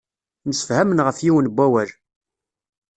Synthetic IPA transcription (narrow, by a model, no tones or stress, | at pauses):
nəsə̥fhæmənʁəfjiwənbʷːæwæl